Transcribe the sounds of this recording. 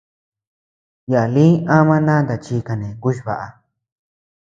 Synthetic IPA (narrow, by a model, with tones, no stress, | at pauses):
ja˨a˨lĩ˦ã˦mã˦nã˦nd̪a˨t͡ʃi˧ka˧nẽ˨ku˦ʃ̬i˧βa̰˨ʔa˧